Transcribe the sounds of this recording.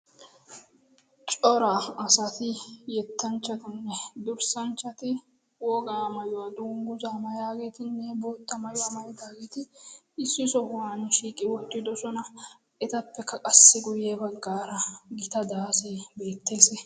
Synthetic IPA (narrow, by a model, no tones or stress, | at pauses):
t͡ʃʼɔɾaɐsɐt̪ɪjɛt̪ʰːɐnt͡ʃːɐt̪ɪnːɛd̪ʊɾsɐnt͡ʃːɐt̪ɪ | wɔɡaːmɐjwad̪uːŋɡʊzaːmɐjaːɡeːt̪ɪnːɛboːt̪ːɐmɐjʊwamɐjɛd̪aːɡeːt̪ɪː | sːɪsɔhʊwanʃiːkʼɪwɔt̪ːɪd̪ɔsɔnɐ | ɛt̪ɐpːɛkːɐkʼɐsːɪɡʊjeːbɐɡaːɾɐɡɪt̪ɐd̪aːseːbe̞ːt̪ːe̞ːsɛ